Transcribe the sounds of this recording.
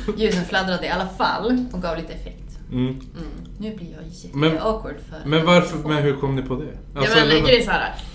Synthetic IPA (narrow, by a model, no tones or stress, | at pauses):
jʉ̟ːnənflad̪ɾad̪əɪalːafa̰lːɔk̚ɡɑːvliːt̪əɛfɛkt̪ː | nʉ̟ːblɪɾjɑːjɛmɛɔkʰʊɖfœ̰ɾmɛnvaɾfmɛnɦɵɾkʰɔmːnɪpʰɔd̪ɛalslɡəɛsɔæːɾa̰